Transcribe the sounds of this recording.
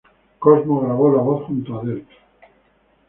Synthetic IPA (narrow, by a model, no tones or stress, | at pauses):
kozmoɣɾaβ̞olaβoθχunt̪oaðelt̪